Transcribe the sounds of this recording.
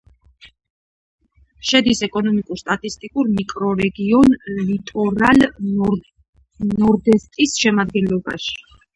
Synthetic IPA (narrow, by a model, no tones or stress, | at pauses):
ʃɛd̪isɛkʼɔnɔmikʼuɾst̪ʼat̪ʼist̪ʼikʼuɾmikʼɾɔɾɛɡiɔnlit̪ʼɔɾal | nɔɾd̪ɛst̪ʼisʃɛmad̪ɡɛnlɔba̰ʃi̥